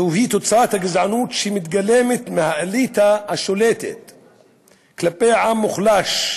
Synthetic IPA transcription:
uɦit̪ot͡saat̪haɡizʕanut̪ʃimit̪ɡalemet̪mehaʔalit̪ahaʃolet̪ḛt̪ | klapejʕamːuχlaʃ

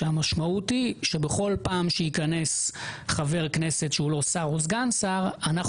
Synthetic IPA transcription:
eamaʃmautiʃe̞beχo̞lpaːmʃeikane̞sχave̞ʁkne̞se̞tʃeulo̞saʁozɡansaʁanaχ

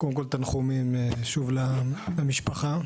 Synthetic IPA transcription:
kodemkolt̪anχumimʃuvlaamiʃpaχa

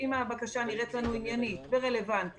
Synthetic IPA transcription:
imabakaʃaniʁetlanuinjanit̪beʁe̞le̞vant̪

